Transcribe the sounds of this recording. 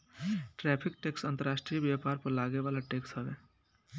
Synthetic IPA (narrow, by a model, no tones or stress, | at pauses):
ʈɾɛːpʰɪk̚ʈeːksɐ̃nt̪əɾaːʃʈɾijəbjaːpaːɾpəɾlaːɡeʋaːlaʈeːksɦɛʋeː